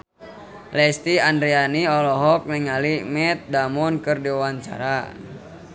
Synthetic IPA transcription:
lɛst̪iandɾianiɔlɔɦɔk̚nɛŋalimɛt̪̚damɔnkɨrdiwaɲt͡ʃa̰ɾa

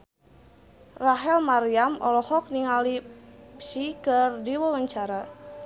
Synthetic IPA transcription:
raɦɛlmaɾiamɔ̰lɔhɔk̚niŋalipsikɨrdiwawaɲt͡ʃaɾa

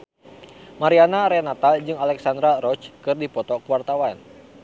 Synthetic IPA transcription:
maɾianaɾɛnat̪ald͡ʒɨŋalɛksand̪ɾaɾɔt͡ʃkɨrdipɔt̪ɔkəwart̪awan

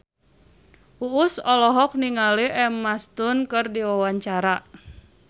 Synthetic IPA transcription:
ʔuːsɔlɔɦɔk̚niŋaliʔɛmːast̪ʊnkɨrdiwawaɲt͡ʃaɾa

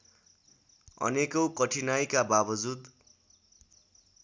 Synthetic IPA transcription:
ʌ̰nekokʌʈʰinajkababʌd͡zud̪

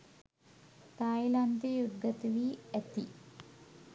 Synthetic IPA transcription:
t̪aːjland̪ejud̪ɡɐt̪ʋiet̪i

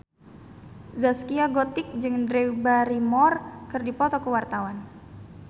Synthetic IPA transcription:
zaskiaɡɔt̪ɪk̚d͡ʒɨŋdɾeubaɾimɔrkɨrdipɔt̪ɔkəwart̪awan

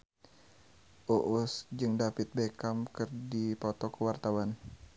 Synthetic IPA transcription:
ʔoʔusd͡ʒɨŋdapɪt̪̚bekamkɨrdipɔt̪ɔkəwart̪awan

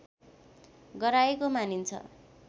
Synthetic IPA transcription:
ɡʌɾaekomanint͡sʰʌ̰

